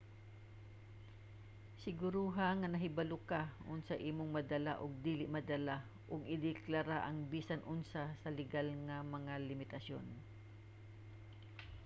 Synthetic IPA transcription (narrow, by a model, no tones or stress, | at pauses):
sɪɡʊɾuɦaŋɐnɐɦɪbɐlʊkaʔʊnsaʔiːmʊŋmɐd̪ɐla̰ʔʊɡ̚d̪iːlɪʔmɐd̪ɐla | ʔʊɡɪd̪ɪklaɾaʔɐŋbiːsanʔʊnsasɐlɪɡalŋɐmɐŋalɪmɪt̪ɐsjo̰n